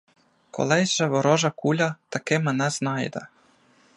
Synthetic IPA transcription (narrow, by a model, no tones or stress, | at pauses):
kʰo̰lˠɛʒɛʋɔɾɔʒakuʎʲat̪akemanɛznajd̪a̰